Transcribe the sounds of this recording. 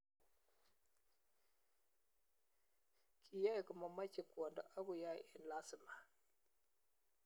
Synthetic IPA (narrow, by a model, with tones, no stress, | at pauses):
kʰi˨ja˦˨kə˨ma˨ma˦t͡ʃi˨kwɔ˨ndɔ˨ʔa˦ɡu˨ja˦jɛ˨nla˦sɪ˨ma˨